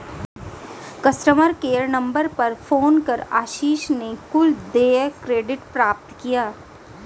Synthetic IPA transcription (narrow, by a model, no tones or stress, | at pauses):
kɐsʈəməɾkeːəɾnɐ̃mbəɾpɐɾfoːnkɐɾaːʃiːʃnekʊld̪eːkɾeːɖɪʈpɾaːp̚t̪kijaː